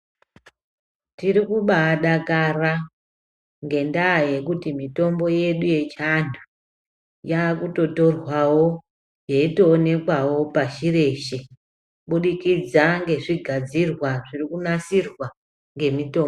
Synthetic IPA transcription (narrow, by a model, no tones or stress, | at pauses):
tiɾikuɓaɗakara | ŋɡe̞ndaːje̞kutimito̞mbo̞je̞ɗuje̞t͡ʃandu | jakuto̞to̞rwawo̞ | jeito̞ːne̞kwawo̞paʃire̞ʃe | ɓuɗikid͡zaŋɡe̞ʐiɡʱad͡zirwaʐirikunasirwa | ŋɡe̞mito̞ːm